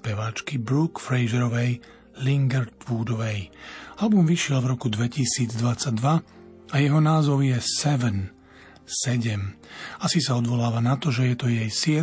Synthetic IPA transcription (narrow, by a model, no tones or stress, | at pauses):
pɛʋaːt͡ʃkibɾukfɾɛjʒɛɾɔʋɛj | liŋɡɛɾt̪ʋuːd̪ɔʋɛjalbumʋiʃɪɛlvɾɔkud̪ʋɛcisiːd͡zd̪ʋat͡saɟ̚d̪ʋa | ajɛɦɔnaːzɔʊjɛsɛʋɛn | sɛɟɛmasisaɔd̪ʋɔlaːʋanat̪ɔʒɛjɛt̪ɔjɛjsɪɛ